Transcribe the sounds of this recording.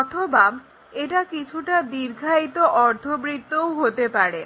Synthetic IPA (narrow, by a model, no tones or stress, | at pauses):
ɔt̪ʰoba | eʈakit͡ɕʰuʈad̪iɾɡʱait̪oʔɔɾd̪ʱobɾit̪ːowɦot̪epaɽe